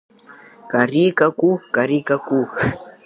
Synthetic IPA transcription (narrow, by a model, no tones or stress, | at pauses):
kaɾikakukaɾikaku